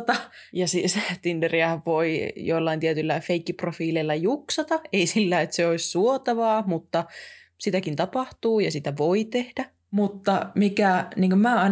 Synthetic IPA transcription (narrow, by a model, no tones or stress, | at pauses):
t̪ɑjɑsisæːt̪inderiæhæʋʋoijoilːɑint̪iet̪ylːæfeikːiprofiːleilːɑjuksɑt̪ɑeisilːæːet̪seoissuot̪ɑʋɑːmut̪ːɑ | sit̪ækint̪ɑpɑht̪uːjɑsit̪æʋoit̪ehd̥æ | mut̪ːɑmikæniːŋkømmæːɑin